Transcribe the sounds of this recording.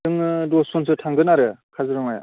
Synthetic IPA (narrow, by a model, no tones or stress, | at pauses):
ɯŋɯdɔsɔns̬ɯtʰaŋɡɯnaɾɯkʰazɯɾɔŋaja̰